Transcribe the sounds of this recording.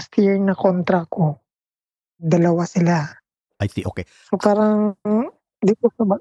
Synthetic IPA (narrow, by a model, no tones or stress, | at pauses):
st̪jɛɹnɐkont̪ɾɐɐko̞ | d̪ɐlɐwasɪla | ajt̪iʔo̰kɛ | sopaːɾɐŋ | d̪it̪osɐbɐ